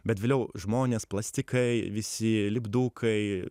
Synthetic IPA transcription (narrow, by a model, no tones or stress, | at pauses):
bʲɛt̪ʋʲeːlʲɛʊʒmoːnʲeːsplˠɑsʲt̪ʲɪkɐɪʋʲɪsʲɪlʲɪbd̪uːkʰɐɪ